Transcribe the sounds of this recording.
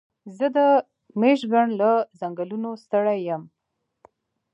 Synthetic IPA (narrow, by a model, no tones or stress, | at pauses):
zəd̪ə | meʃɡaɳlazaŋɡəlunost̪əɽajəm